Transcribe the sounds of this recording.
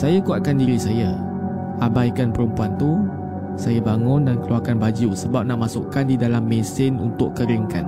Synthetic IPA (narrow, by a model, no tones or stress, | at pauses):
sajakuat̪̚kandiɾisaja | ʔabajkanpəɾəmpuant̪u | sajabaŋʊ̃ndankəluakanbad͡ʒusəbap̚naʔmasʊkandidalamːesɪnṵnt̪ʊʔkəɾəŋkan